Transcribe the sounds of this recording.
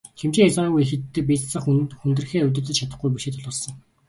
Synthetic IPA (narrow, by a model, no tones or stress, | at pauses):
xʰemt͡ɕiːŋet͡sɔnːɣujixɘ̆t̪ːɘ̆p̬ʲiːt͡ssə̆χxunt̪̆r̆xeːɵt̪̬ɵ̆t̪ɘ̆t͡ɕʰat̪ə̆χɡujp̬uʃeːt̪ʰɔɮʊːɮsɞ̆ŋ